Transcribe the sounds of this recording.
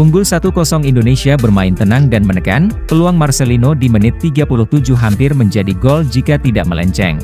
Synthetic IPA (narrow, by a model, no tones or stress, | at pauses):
puŋɡʊlsat̪ukɔsɔŋindonesiabərmaɪnt̪ənaŋdanmənəka̰npəluaŋmarselinodimənɪt̪ːiɡapulʊht̪ud͡ʒʊɦampɪrməɲd͡ʒadiɡɔld͡ʒikat̪ida̰ʔmə̰lɛ̰ɲt͡ʃɛ̰ŋ